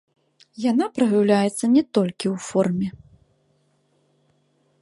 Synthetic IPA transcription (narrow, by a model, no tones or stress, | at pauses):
jan̪apɾɐɣɨwlʲajɛt̪sːɐnʲɛt̪ɔlʲkʲiwfɔrmʲɛ